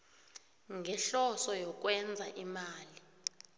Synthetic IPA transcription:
ŋʱɛɬɔsɔjɔk̬ʼwɛnd͡zʱaʔimaːli

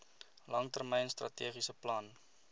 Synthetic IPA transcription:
lɐŋtərmɛjənstrɐ̰tiəχisəplɐn

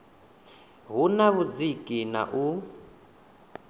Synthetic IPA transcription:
ɦunaβud͡zikʼina̰ʔu

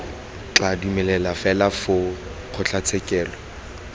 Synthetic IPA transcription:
t͡ɬadumɛlɛlafɛlafʊ | q͡χʰʊt͡ɬʰat͡sʰɛkʼɛːlɔ

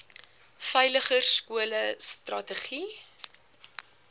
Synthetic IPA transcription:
fœjləχərskuələstrɐtəχi

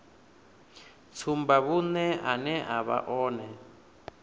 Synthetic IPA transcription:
t͡sʰumbaβunɛʔanɛʔaβa̰ʔɔːnɛ

